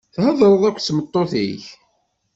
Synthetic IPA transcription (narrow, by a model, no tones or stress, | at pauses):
θhəðˤɾˤəðˤækʷːt͡sːmət̪ˤːoθiç